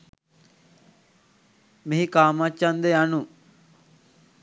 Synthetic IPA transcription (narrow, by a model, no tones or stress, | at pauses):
miɦikaːmat͡ʃːand̪əjanu